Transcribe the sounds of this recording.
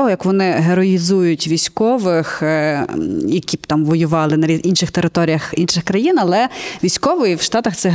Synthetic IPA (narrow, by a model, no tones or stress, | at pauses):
ɔɦɔjɐkʋɔnɪɦeɾɔizujʊtʲʋʲijsʲkɔʋɪx | jɐkʲibt̪ɑmʋɔjʊʋɑlˠɪnɐɾʲizinʃɪxt̪eɾɪt̪ɔɾʲijɐxinʃɪxkɾɐjinɐlˠɛʋʲijsʲkɔʋɔjiwʃt̪ɑt̪ɐxt̪sɛ